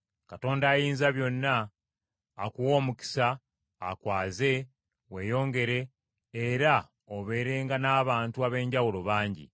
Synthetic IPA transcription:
kato̞ːndaːjiːnzaβjo̞nːaː | kuwo̞ːmuki̥sa̰ː | kwaːze̞ | we̞ːjo̞ːŋɡe̞ɾe̞ː | ɾa | oβe̞ːɾe̞ːŋɡanaːβaːntuaβe̞ːɲɟawulo̞βaːɲɟḭ

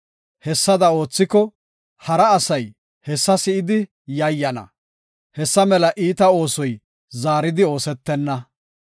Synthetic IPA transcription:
hɛsːɐd̪ɐo̞ːt͡sːɪkɔ | hɐɾɐːsɐj | hɛsːɐsɪɪd̪ɪ | jɐjːɐnɐ̰ | hɛsːɐmɛlɐʔiːt̪ɐo̞ːsɔj | zaːɾɪd̪ɪo̞ːsɛt̪ːɛnːɐ

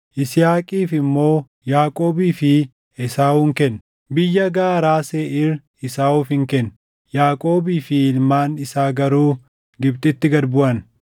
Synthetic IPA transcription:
ʔɪsɪjaːkʼiːfɪmːo̞ː | jaːkʼo̞ːbiːfɪ | ɪsaːuːŋkɛnː | bɪjːɐɡaːɾaːseːʔɪr | ɪsaːuːfhɪŋkɛn | jaːkʼo̞ːbiːfɪɪlmaːnɪsaːɡɐɾuː | ɡɪbt̪ɪt̪ːɪɡɐɾbʊʔɐn

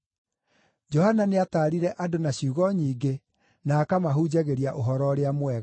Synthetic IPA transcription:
d͡ʒɔhananeataːɾiɾɛʔadonaɕuːɣɔɲiːɡe | naːkamaɦud͡ʑaɣeɾiaʔoɦɔɾɔɾeamwɛɣ

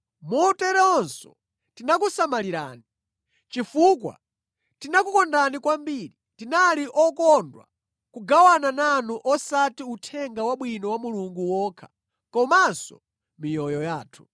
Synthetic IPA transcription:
mɔtɛɾɛɔnsɔ̰ | tinakusamaliɾa̰ːni | t͡ʃifukwa̰ | tinakukɔndanikwambiɾitinaliʔɔkɔndwa̰ | kuɡawanananuʔɔsatiutʰɛŋɡawaɓwinɔwamuluŋɡuwɔːkʰḁ | kɔmansɔ̰ | mijɔjɔjaːtʰu̥

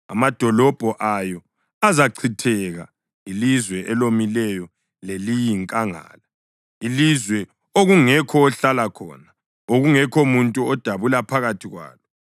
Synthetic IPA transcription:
a̰mad̥ʱɔlɔb̥ʱɔʔajɔ | azaǀʰitʰɛɣa | ilizwɛʔɛlomilɛjɔ | lelijiŋkʼaŋa̰ːla | ilizwɛ | oɣuŋɛkʰɔːɬalakʰɔ̰na | oɣuŋɛkʰɔmuntʼuɔd̥ʱaβulapʰaɣatʰiɣwa̰ːlɔ

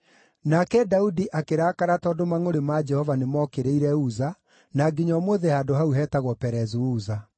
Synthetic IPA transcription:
nakɛdaudiʔakeɾaːkaɾatɔːdomaŋoɾemad͡ʒɛhɔvanemɔkeɾeiɾɛuza | naɡiɲɔmoðehaːdoɦauɦɛːtaɣwɔpɛɾɛzuuːza

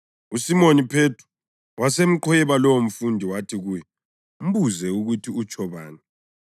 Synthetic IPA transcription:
usimonipʰetʰu̥ | wʔasem̩ǃɔjɛβalɔwom̩fundʱiwatʰiɣuːjɛ | m̩buzɛuɣutʰiut͡ʃʼɔβa̰ːnɛ

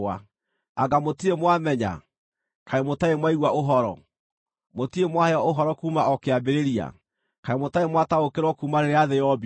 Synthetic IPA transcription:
a | aɡamotiemwamɛɲa̰ | kaemotaemwaiɣwaoɦɔɾɔ̰ | motiemwaheɔoɦɔɾɔkuːmaɔkeabeɾeɾia̰ | kaemotaemwataokeɾwɔkuːmaɾeɾeaðɛɔbi

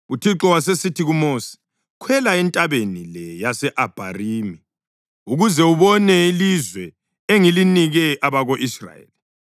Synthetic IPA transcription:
utʰiǁɔwasesitʰiɣumoːsi̥ | kʰwɛlaɛntʼaβenilɛjasɛʔab̥ʱa̰riːmi | uɣuzɛuβɔnɛilizwɛ | eŋiliniɣɛʔaβaɣoʔisra̰jḛli

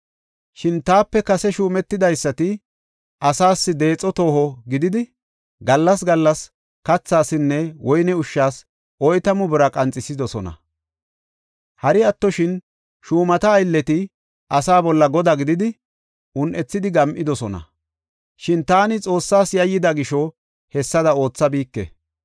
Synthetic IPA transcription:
ʃɪnt̪aːpːɛkɐsɛʃuːmɛt̪ːɪd̪ɐjsːɐt̪ɪ | ʔɐsaːsːɪd̪e̞ːt͡sʼːɔt̪o̞ːhɔɡɪd̪ɪd̪ɪ | ɡɐlːɐsɡɐlːɐs | kɐt͡sːaːsɪnːɛwɔjnɛʊʃːaːs | ʔɔjt̪ɐmʊbɪɾɐkʼɐnt͡sʼːɪsɪd̪ɔsɔnɐ̰ | hɐɾɪɐt̪ːɔʃɪn | ʃuːmɐt̪ɐːjlːɛt̪ɪ | ʔɐsaːbɔlːɐɡɔd̪ɐɡɪd̪ɪd̪ɪ | ʔʊnʔɛt͡sːɪd̪ɪɡɐmʔɪd̪ɔsɔnɐ̰ | ʃɪnt̪aːnɪt͡sʼo̞ːsːaːsjɐjːɪd̪ɐɡɪʃɔ | hɛsːɐd̪ɐo̞ːt͡sːɐbiːkːɛ̰

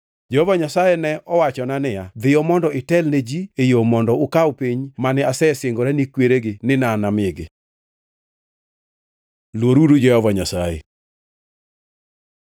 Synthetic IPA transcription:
d͡ʒehɔvaɲasajɛnɛʔɔwat͡ʃɔnanɪjad̪ɪjɔmɔndɔɪtɛlned͡ʒiejomɔndɔʊkawpiɲmanɛasɛseŋɡoɾɛnikweɾeɡɪnɪnanamɪɡɪ̰ | lwoɾuɾud͡ʒɛhɔvaɲasajḛ

